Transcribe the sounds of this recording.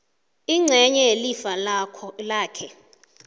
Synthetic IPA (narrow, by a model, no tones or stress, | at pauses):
iŋ͡ǀʱɛɲɛelifalʰlaːkʰɛ